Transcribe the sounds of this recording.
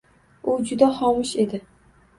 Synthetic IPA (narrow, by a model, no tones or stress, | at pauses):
ʊd͡ʒʊd̪aχɒmɪʃe̞d̪ɪ